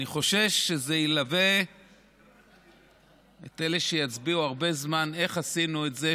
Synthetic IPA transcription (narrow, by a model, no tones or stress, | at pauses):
niχo̞ʃe̞vʃezeilave̞ | ḛte̞leʃejat͡sbiuaʁbe̞zmane̞χasinuetze